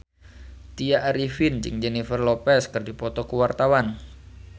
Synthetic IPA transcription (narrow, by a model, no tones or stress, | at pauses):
t̪iaʔaɾifɪnd͡ʒɨ̰ŋd͡ʒɛnifərlopɛskɨrdipɔt̪ɔkəwart̪awan